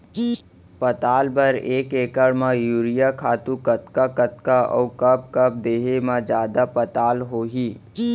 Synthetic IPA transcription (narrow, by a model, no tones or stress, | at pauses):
pɐt̪aːlbɐɾeːkeːkəɽmãjuːɾɪjakʰaːt̪ũkət̪kakət̪̚kaɔːkəb̚kɐb̚d̪eːɦemãd͡ʒjaːd̪apət̪aːlɦoːɦiː